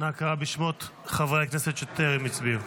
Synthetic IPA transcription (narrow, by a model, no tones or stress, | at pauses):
nakaʁabiʃmot̪χavʁeakneset̪jot̪eʁimit͡sbiu